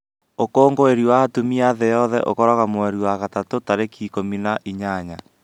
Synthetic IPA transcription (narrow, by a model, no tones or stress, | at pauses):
okoːŋɡoeɾiwaːtumiaðejɔðɛ̰ʔo̰kɔɾɔɣamwɛɾiwaɣatatotaɾekʰiːkominaʔiɲaɲa